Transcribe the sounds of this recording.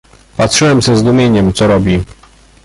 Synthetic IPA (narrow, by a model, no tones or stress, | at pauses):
pat̪ʂɘwɛmzɛzd̪umʲjeɲɛmt̪sɔɾɔbʲi